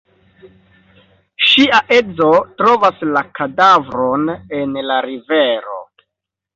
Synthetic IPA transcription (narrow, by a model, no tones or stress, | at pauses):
ʃiaʔe̞d͡zo̞tɾo̞vaslakadavɾonenlaɾive̞ɾo̞̰